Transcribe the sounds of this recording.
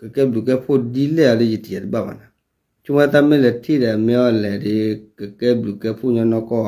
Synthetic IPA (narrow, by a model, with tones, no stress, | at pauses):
kɛ˨kɛ˦blu˨kɛ˦po˦˨di˦lɛ˦a˨le˦d͡ʒi˨ti˨d͡ʒɛ˨di˦ɡ͡ba˦˨ma̰˨na˨ | t͡ʃu˦mɛ˦ta˦mɪ˦lɛ˨tʰi˦ɾɛ˨mɪ˦ɔ˦˨lɛ˨dɪ˨˦kɛ˨kɛ˦blu˨kɛ˦pu˦˨ɲɔ˧˦nɔ˧kɔ˦˨